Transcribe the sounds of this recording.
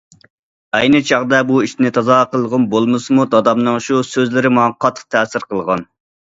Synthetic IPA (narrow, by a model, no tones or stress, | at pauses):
ɛjnɨt͡ʃʰɑʁd̪ɛbuiʃnɪt̪ʰɑzɑqəlˠʁənbolˠmɨsɨmud̪ɑd̪ɑmnɨŋʃusøzlɪɾɪmɑɑqʰɑt̪ʰːə̥q̚t̪ʰɛːsɪɾqəlˠʁɑn